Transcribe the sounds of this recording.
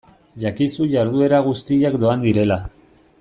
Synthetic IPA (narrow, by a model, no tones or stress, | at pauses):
ʝakisuʝaɾðue̞ɾaɣ̞ust̪iʎakd̪o̞and̪iɾe̞la